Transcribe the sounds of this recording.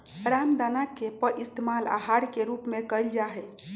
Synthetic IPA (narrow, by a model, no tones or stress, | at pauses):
ɾamd̪anakepəʔist̪emala̰ɦaɽkeɾupmekəjld͡ʒaɦɛ